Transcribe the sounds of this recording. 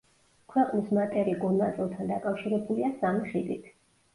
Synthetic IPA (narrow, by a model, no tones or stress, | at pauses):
kʰwɛqʼnismat̪ʼɛɾiɡɔnnat̪sʼilˠt̪ʰand̪akʼafʃiɾɛbuliasamiχid̪ʼit̪ʰ